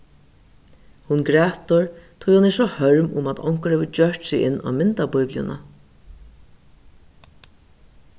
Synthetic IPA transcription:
hʊnɡɾɛːt̪ʊɹt̪ʰʊjhʊnɛʂɔhœɹmʊmat̪ʰɔ̰ŋ̥kəɾɛːʋəd͡ʒœɹʈsɪɪnːa̰ːmɪnt̪abʊjpljʊ̰na̰

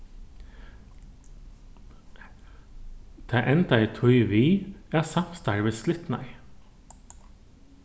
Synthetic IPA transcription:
d̪̥ʰæːʔɛnt̪ɑæɪt̪ʰɔʏʋiːæːsɑfst̪ɑɹʋeːslɪt̪nɑ̰ɪ

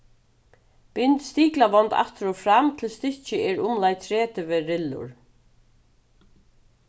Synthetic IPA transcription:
pɪnt̪st̪iːklaʋɔnt̪a̰ht̪ɪɾɔfɾamt̪ʰɪlst̪ɪht͡ʃɪɛɹʊmlajt̪ʰɾɛːt̪ɪvɪɾɪlːʊ̰ɹ

